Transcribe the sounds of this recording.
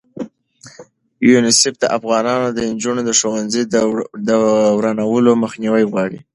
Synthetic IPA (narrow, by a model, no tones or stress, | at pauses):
junɪsɪfd̪əʔafɣɑnɑnod̪əɪnd͡ʒunod̪əʃowanzəjd̪əwɾanawəloməxniwəjɣwɑɽḭ